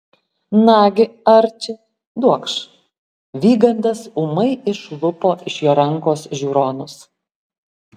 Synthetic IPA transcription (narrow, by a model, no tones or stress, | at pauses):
nɑːɡʲɪɐɾʲt͡ʃʲɪ | d̪uɔkʃ | ʋʲiːɡɐnd̪ɐsʊmɐɪɪʃlˠʊpoːʔɪʃjoːɾɐŋkoːsʒʲuːɾoːnʊs